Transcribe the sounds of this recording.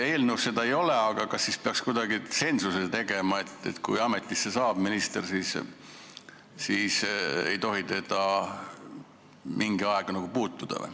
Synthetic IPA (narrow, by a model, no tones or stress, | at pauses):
e̞ːlnuwsse̞d̪ɑejo̞le̞ɑɡ̥ɑkɑsːispeɑkskud̪̥ɑɡise̞nsuset̪e̞ɡe̞mɑe̞t̪ːˑet̪kujɑme̞t̪ːˑisːesɑːb̥minist̪e̞rsiːs | sisḛjt̪o̞ɦit̪e̞d̪̥ɑ | mʔiŋɡ̥iɑeɡ̥ɑnɑɡ̥upuːt̪ːˑud̪̥ɑ̰